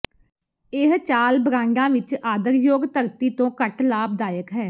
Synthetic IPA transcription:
ɪɦt͡ʃaːlbəɾãːɳɖãːʋɪt͡ʃaːd̪əɾjoːɡt̪əɾt̪iːt̪õːkəʈlaːb̚d̪aːjəkɦɛː

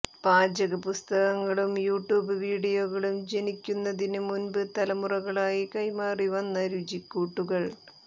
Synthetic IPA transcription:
b̥aːd͡ʑɐɣɐpust̪ɐɣɐŋːɐɭumjuːʈjuːbɨʋiːɽijoːɣɐɭumd͡ʑe̞nikʲːunːɐðinɨmunbɨt̪ɐlɐmurɐɣɐɭaːjikɐjmaːriʋɐnːɐɾud͡ʑikːuːʈːuɣɐɭ

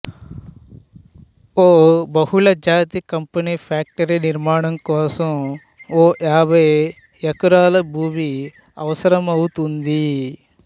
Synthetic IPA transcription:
oːbɐhuɭɐd͡ʒaːt̪ikɐmpɐnipʰaːk̚ʈɐɾiniɾmaːɳɐmkɔːsɐm | oːjaːbɐj | ɐkuɾaːlɐbʱuːmi | ɐʋɐsɐɾɐmɐwut̪und̪i

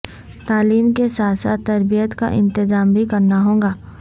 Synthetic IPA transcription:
t̪aːliːmkesaːsa̰t̪ːɐɾbijət̪ka̰ʔɪ̰̃nt̪ɪzaːmbʱikɐɾnaɦõːŋɡaː

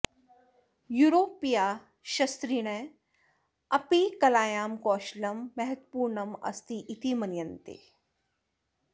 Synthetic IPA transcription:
juːɾoːpijaː | ʃɐst̪ɾiɽ̃e | ɐpikɐlaːjaːmkɔːʃlɐmːɛɦɐt̪puːɾnɐmɐ̰st̪iʔit̪imɐnjɐnt̪ḛː

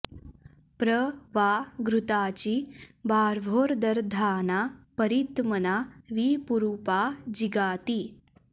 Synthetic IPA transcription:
pɾəʋaːɡɾut̪aːt͡ɕibaːɾʋʱoːɾd̪ɐɾd̪ʱaːnaːpəɾit̪mɐnaːʋiːpuɾuːpaːd͡ʒiɡaːt̪i

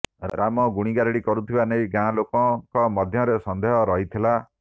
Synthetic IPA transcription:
ɾamɔɡuɽ̃iɡaɾiɽikɔɾut̪ʰibanejɡãlokɔkɔmɔd̪ʱjɔɾesɔnd̪ʱeɦɔɾɔɦit̪ʰila

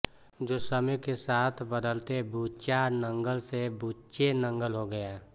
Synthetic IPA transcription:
d͡ʒoːsəmɛkesaːt̪ʰbəd̪əlt̪ebuːt͡ʃanə̃ŋɡəlsebuːt͡ʃenə̃ŋɡəlɦoɡəjaː

